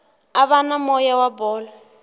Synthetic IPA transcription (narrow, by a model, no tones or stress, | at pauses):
aβanamɔjawabɔːlɔ